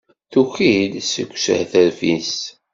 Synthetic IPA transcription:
θuçilsə̰kʷːsə̰hθəɾfis

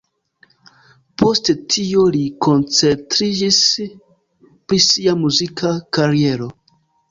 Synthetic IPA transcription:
pʰo̞stetʰioliko̞nt͡se̞ntɾid͡ʒis | pɾisiamuzikʰakaɾie̞ɾo̞

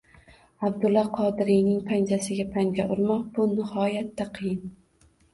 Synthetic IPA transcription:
abd̪ʊlˠːɒqʰɒd̪ɪɾijnɪŋpʰand͡ʒ̪asɪɡʲapʰaŋɡʲaʔʊɾmɒqb̥ʊnɪhɒjat̪ʰːaqʰɨjɪn

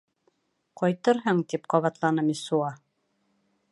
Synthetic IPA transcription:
qɒjt̪ɤɾɦɤɴt̪ipqɑβɑt̪lˠɑnɤmisuɑ

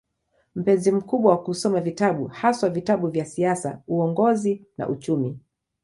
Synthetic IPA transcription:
m̩pɛnzim̩kuɓwawakusɔmavitaɓuhaswavitaɓuvjasiasa̰uɔŋɡɔzina̰ʔut͡ʃumi

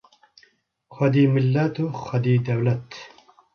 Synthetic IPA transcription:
xɐd̪iːmilːɐt̪uxɐd̪iːd̪ɛwlɐt̪

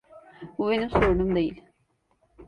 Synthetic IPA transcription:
uʋɐnusoːɳund̪ɐjil

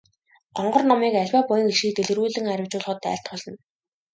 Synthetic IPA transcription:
ɢɔɴɢɞ̆rnɔmiːkæɮʲwaːpʊjɞ̆ŋeʃiːt̪eɮɘ̆ruːɮɘ̆ŋæɾʲʊ̆wt͡ɕʊːɮχə̆t̪æ̰ːɬt̪̚pɔɮɞ̆n

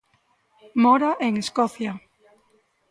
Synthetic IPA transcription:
moɾaʔeŋeskoθja

